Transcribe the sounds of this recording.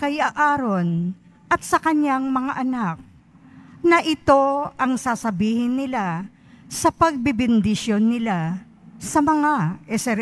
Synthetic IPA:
kɐjaʔaːɾon | ʔɐt̪̚sɐkɐɲjaŋmɐŋaʔɐnak̚ | nɐʔɪt̪o̞ɐŋsaːsɐbiːhɪnːɪla | sɐpɐɡ̚bɪbɪnd̪ɪʃjo̞nːɪla | sɐmɐŋaʔɛsɛɾ

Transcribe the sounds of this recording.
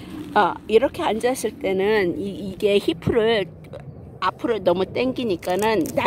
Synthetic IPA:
aiɾʌkʰe̞and͡ʑas͈ʰiɭt͈e̞nɯniiɡe̞çipʰɯɾɯɭ | apʰɯɾonʌmut͈eŋɡiɲik͈anɯnːa

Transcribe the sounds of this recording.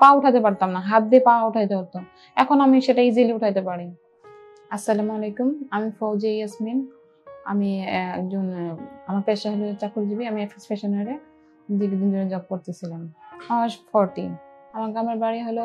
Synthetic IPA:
pãuʈʰat̪epaɾt̪amnaɦat̪̚d̪epãuʈʰajt̪eoɾt̪o | ɛkʰonamiʃeʈaid͡ʑiliuʈʰajt̪epaɽi | asːalamɔlejkumamifowd͡ʑejasmin | a̰miɛkd͡ʑonamaɾpeʃaɦolot͡ɕakʰuɾd͡ʑibiamiɛksespeʃɔneɾe | d̪ibid̪ind̪ʱoɾed͡ʑɔb̚koɾt̪et͡ɕʰilamɔʃpʰɔɾʈinamaɾɡɾameɾbaɾiɦojlo

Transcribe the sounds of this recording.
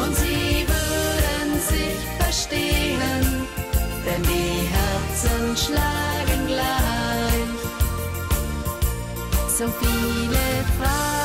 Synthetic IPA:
ʔʊntz̥iːvʏʁdənzɪçfɛɐʃteən | d̥ɛndiɦɛʁt͡sənʃlaːɡənɡlaɪɪç | z̥oːfiːləfʁa

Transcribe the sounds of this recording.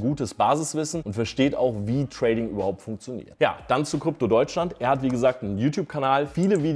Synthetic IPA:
ɡuːtəsb̥aːzɪsv̥ɪsn̩ʊntfɛɐʃteːta̰ʊxviːtʁ̥ɛɪdɪŋʔyːbɐhaʊp̚tfʊŋk̚t͡sjonḭːɐtja̰ːd̥ant͡sukʁ̥ʏp̚todɔʏt͡ʃlantʔeːɐhatv̥iːɡəzaːk̚tnənjuːtjuːpkʰanaːlfiːləviː

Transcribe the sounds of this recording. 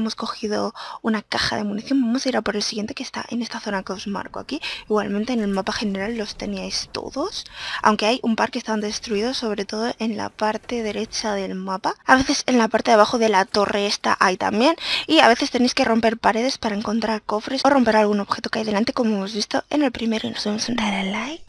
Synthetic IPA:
mo̞sko̞xið̞o̞̰unakaxa̰ðemuniθjo̞mbamo̞saiɾapo̞ɾe̞lsiɣje̞nt̪ekest̪a̰ʔe̞̰ne̞st̪aθo̞nakeo̞zma̰ɾkoa̰kiiɣwa̰lmẽ̞nt̪e̞ːne̞lmapaxe̞ne̞ɾalːo̞st̪e̞niajst̪o̞̰ðo̞sa̰wŋke̞ajumpaɾkest̪and̪e̞st̪ɾuiðosːo̞β̞ɾe̞t̪o̞ð̞o̞ʔe̞nla̰paɾt̪e̞ðe̞ɾe̞t͡ʃaðe̞lmapaaβe̞θe̞se̞nlapaɾt̪e̞ðβaxo̞ðe̞lat̪o̞rʔe̞e̞st̪a̰ʔajt̪a̰mbje̞niaβe̞θe̞st̪e̞nejske̞ro̞mpe̞ɾpaɾe̞ðe̞spaɾaeŋko̞nt̪ɾaɾko̞fɾe̞so̞ro̞mpe̞ɾalɣ̞uno̞βxe̞t̪o̞keajðe̞lant̪eko̞mo̞e̞mo̞zβist̪o̞e̞̰ne̞lpɾime̞ɾoino̞zβemosent̪ɾaɾelajk

